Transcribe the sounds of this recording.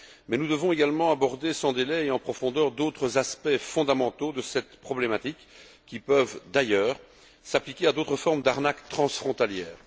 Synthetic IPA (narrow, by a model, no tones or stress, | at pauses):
mɛnud̪əvɔ̃eɡalmɑ̃abɔʁd̪esɑ̃d̪elɛeɑ̃pχɔfɔ̃d̪œʁd̪ot̪χəzaspɛfɔ̃d̪amɑ̃t̪od̪əsɛt̪pχɔblemat̪ik | kʲːipœvd̪ajœːʁ | saplikʲead̪ot̪χəfɔʁmd̪aʁnakt̪χɑ̃sfχɔ̃t̪aljɛːʁ